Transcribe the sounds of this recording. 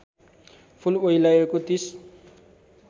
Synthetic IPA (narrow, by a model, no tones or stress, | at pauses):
pʰulojlajekot̪is